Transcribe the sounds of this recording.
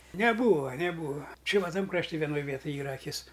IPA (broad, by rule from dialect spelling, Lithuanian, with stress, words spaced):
nʲɛˈbuːʋɐ nʲɛˈbuːʋɐ ˈt͡ʃʲɪ ʋɐ ˈtɐm krɐʃʲˈtʲɪ ʋʲiɛˈnoːj ˈʋʲiɛtʊj ˈiːrɐ ɐˈkʲɪs